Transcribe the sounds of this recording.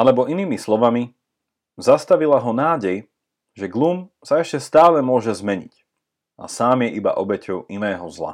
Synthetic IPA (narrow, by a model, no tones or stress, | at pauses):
alɛbɔʔiniːmislɔʋami | zast̪aʋilaɦɔnaːɟɛj | ʒɛɡlum | saɛʃcɛst̪aːlɛmʊɔʒɛzmɛɲḭc | ʔa̰saːmjɛʔiba̰ʔɔbɛcʰɔʊinɛːɦɔzla̰